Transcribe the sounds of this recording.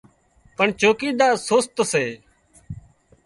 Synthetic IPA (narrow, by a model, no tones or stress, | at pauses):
pəɳt͡ʃoːkiːd̪aːsoːst̪əseː